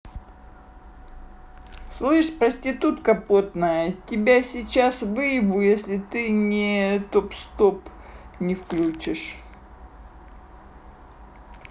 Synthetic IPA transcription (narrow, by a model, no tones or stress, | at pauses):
slˠɨʂpɾəsʲtʲɪt̪ut̪kɐpo̞t̪nəjətʲɪbʲasʲɪt͡ɕasvɨjɪbʊjesʲlʲɪt̪ɨnʲɪt̪opst̪o̞pnʲɪfklʲut͡ɕɪʂ